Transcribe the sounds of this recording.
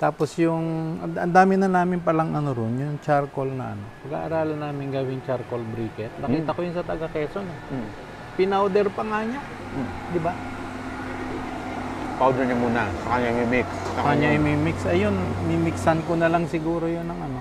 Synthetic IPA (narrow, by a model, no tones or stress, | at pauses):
t̪aːpo̞sjʊŋʔɐɐnd̪aːmɪnɐnaːmɪnpɐlaŋʔɐnoɾonjʊŋt͡ʃaɾkolnɐ̰ʔɐ̰no̞pɐɡa̰ʔɐ̰ɾaːlɐnaːmɪŋɡɐwɪŋt͡ʃaɾkolbɾikɛt̪nɐkiːt̪ɐkojʊnsɐt̪ɐɡakɛːsonɛ | pɪnawd̪ɛɾpɐŋaɲa | d̪ɪba | pawd̪ɛɹɲamuːnasɐkɐɲamimiksskaɲɲaɪmimɪksʔɐjo̞nmimɪksɐnkonɐlaŋsɪɡuːɾojonɐŋʔɐno̞